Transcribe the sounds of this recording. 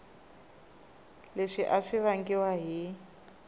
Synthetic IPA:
leʂiʔaʂiβaŋɡiwaɦi

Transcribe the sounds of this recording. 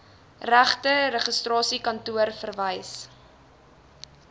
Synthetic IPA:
ræχtəɾəχəstrɑːsikɐntuərfərvəjs

